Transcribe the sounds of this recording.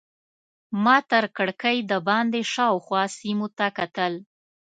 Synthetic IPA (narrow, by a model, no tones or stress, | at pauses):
mɑt̪əɾkəɽkəjd̪əbɑnd̪eʃɑwxwɑsimot̪akat̪əl